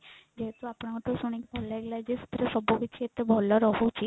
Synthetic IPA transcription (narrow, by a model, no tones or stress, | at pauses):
d͡ʒeɦet̪oapɽ̃ãt̪osuɽ̃ikbʱɔlaeɡlad͡ʒesu̥t̪ɾəsɔbobit͡ʃʰiet̪ebʱɔlɔɾɔɦũt͡ʃʰi